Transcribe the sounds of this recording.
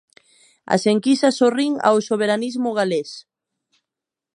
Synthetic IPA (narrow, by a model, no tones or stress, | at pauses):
a̰seŋkisasoriŋa̰wsoβeɾanizmʊɣales